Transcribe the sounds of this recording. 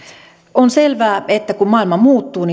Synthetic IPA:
onselʋæːet̪ːækummɑˑilmɑmuːt̪ːuːni

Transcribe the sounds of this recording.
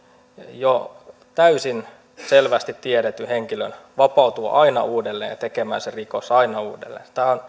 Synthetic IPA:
jo | t̪æysin | selʋæst̪it̪t̪iedet̪ːyheŋkilø̰nʋɑpɑut̪uɑ̰ʔɑinɑ̰uːdelːeːnjɑ̰t̪ekemæ̰ːserikosɑinɑuːdḛlːḛːnst̪æːon

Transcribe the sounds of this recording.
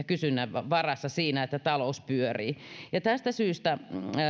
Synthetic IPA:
kysynːæʋʋɑrɑsːɑsiːnæet̪ːæt̪ɑlouspyøriːjɑt̪æst̪æsyːst̪æ

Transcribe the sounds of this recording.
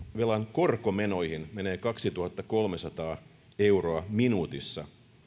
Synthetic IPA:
ʋelɑŋko̞rkome̞no̞jhinme̞ne̞ːkɑksit̪uhɑt̪ːɑko̞lmesɑt̪ɑː | e̞wro̞ɑminuːt̪isːɑ̰

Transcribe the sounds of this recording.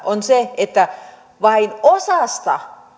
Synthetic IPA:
ʔonseet̪ːæ | ʋɑinosɑst̪ɑ̰

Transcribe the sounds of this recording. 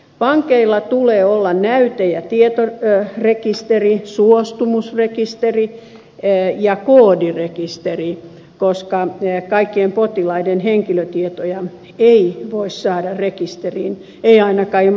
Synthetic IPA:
pɑŋkeilːɑt̪uleːolːɑnnæyt̪ejæt̪iet̪orekist̪erisuost̪umusrekist̪eri | jɑkoːdirekist̪eri | koskɑkɑikːiempot̪ilɑidenheŋkiløt̪iet̪ojɑ | eiʋoissɑːdɑrekist̪eriːn | eiɑinɑkɑ

